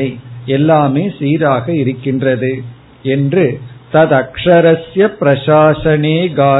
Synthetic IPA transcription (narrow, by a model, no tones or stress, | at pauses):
ɐɪɛlːaːmeːsiːɾaːɣɐɪɾɯkːɪndrɐðɯ | ɛndrɯt̪ɐðɐkʂɐɾɐsjɐpɾɐʃaːʂɐɳeːɡaː